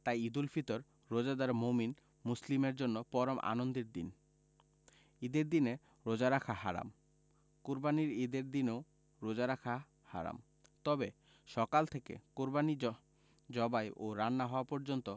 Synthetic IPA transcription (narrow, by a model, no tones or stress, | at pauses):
t̪ajid̪ulfʰit̪oɾː | od͡ʑad̪aɾmomin | muslimeɾd͡ʑonːopɔɾomʔa̰nond̪eɾd̪in | id̪eɾd̪ine | ɾod͡ʑaɾakʰaɦa̰ɾa̰m | kuɾbaniɾid̪eɾd̪ineo | ɾod͡ʑaɾakʰa | ha̰ɾa̰m | t̪ɔbe | ʃɔkalt̪ʰekḛkuɾbani | d͡ʑɔbajʔoɾanːaɦɔoapɔɾd͡ʑont̪o